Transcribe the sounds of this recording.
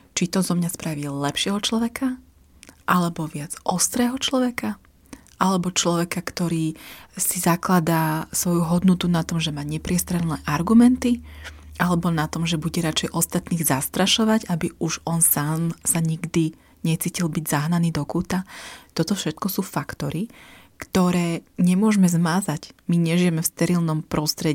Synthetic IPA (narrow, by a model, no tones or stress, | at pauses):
t͡ʃit̪ɔzɔmɲaspɾaʋiːlɛpʃɪɛɦɔt͡ʃlɔʋɛkʰa | ʔalɛbɔʋɪad͡zʔɔst̪ɾɛːɦɔt͡ʃlɔʋɛka | ʔalɛbɔt͡ʃlɔʋɛkakt̪ɔɾiːsizaklad̪asʋɔjuɦɔd̪nut̪unat̪ɔmʒɛmaːɲɛpɾɪɛst̪ɾɛlnɛːʔaɾɡumɛnt̪iʔalɛbɔnat̪ɔmʒɛbuɟɛɾat͡ʃɛjʔɔst̪at̪niːɣzast̪ɾaʃɔʋaɟabiuʒɔnsaːmsaɲiɡd̪i | ɲɛt͡siːcilˠbiɟzaɦnaniːd̪ɔkuːt̪at̪ɔt̪ɔfʃɛt̪kɔsuːfakt̪ɔɾikt̪ɔɾɛːɲɛmʊɔʒmɛzmazacmiɲɛʒijɛmɛfst̪ɛɾilnɔmpɾɔst̪ɾɛɟ